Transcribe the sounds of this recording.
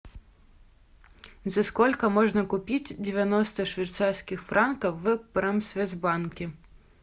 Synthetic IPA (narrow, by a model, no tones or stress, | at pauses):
zɐskɔlʲkɐmɔʐnɐkʊpʲit͡sʲdʲeʋʲjanɔst̪ɐʂʋʲit̪sarsʲkʲixfɾankɐwːɨpɾɛmsʲʋʲɛzbankʲi